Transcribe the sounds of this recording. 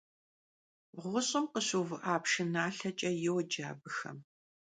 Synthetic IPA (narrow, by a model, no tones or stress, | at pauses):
ʁʷʊɕʼɪmqəɕuvɨʔaːpʂɪnaːɬɐt͡ʃʼɐjɪwd͡ʒa̰ːbɨxɐ̰m